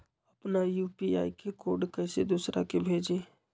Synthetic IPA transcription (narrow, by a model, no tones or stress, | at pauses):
əpnajuːpia̰ːikekoːɾɖkɛɪsed̪uːsɾa̰kebʱeːd͡ʒeː